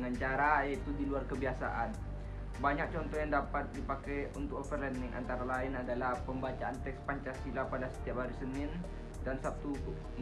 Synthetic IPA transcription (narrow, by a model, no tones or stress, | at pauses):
ŋaɲt͡ʃaɾaat̪udiluarkəbiasa̰ʔan | baɲak̚t͡ʃɔnt̪ɔjaŋdapat̪̚dipakɛjunt̪ʊk̚ɔfərlɛndɪŋʔa̰nt̪aɾalaɪnadalahpəmbat͡ʃaʔant̪ɛkspaɲt͡ʃasilapadasə̥t̪iap̚haɾusənɪn | dansap̚t̪u